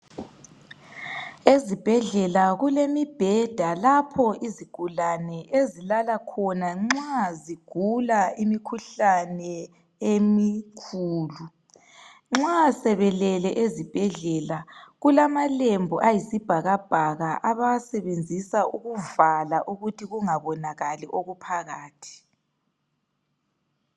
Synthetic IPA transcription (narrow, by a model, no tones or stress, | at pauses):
ezib̥ʱɛɮɛlaɣulemib̥ʱɛd̥ʱalapʰɔiziɡ̥ʱulanɛʔezilalakʰɔnaŋ͡ǁaziɡ̥ʱulaimikʰuɬanɛ | emikʰuːlu | ŋ͡ǁasɛβɛlɛlɛʔezib̥ʱɛɮɛlaɣulamalembʱɔʔajisib̥ʱaɣab̥ʱaɣaʔaβasɛβend͡zʱisaʔuɣuvalaʔuɣutʰiɣuŋaβɔnaɣaliʔoɣupʰaɣaːtʰi̥